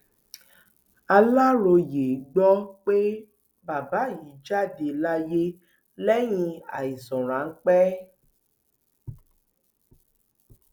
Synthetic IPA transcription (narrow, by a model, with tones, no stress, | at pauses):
a˧la˦ɾo˧je˨ɡ͡bɔ˦k͡pe˦ | ba˨ba˨˦ji˨˦d͡ʒa˦de˨la˦je˦ | lɛ˦ɲĩ˧a̰˨ji˨zɔ̃˨ɾ̃ã˨˦ŋ̩˦k͡pɛ˦